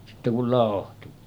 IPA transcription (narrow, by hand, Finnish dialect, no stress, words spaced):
sitːe kul lɑˑohtu